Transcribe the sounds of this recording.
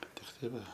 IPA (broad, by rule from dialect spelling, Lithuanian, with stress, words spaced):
ˈbʲɛt tʲɪkˈtɐɪ ˈʋɐ